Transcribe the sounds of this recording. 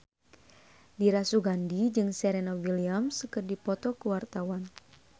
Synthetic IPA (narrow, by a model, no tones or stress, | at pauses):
diɾasuɡandid͡ʒɨŋsɛɾɛnawiliamskərdipɔt̪ɔkuwart̪awan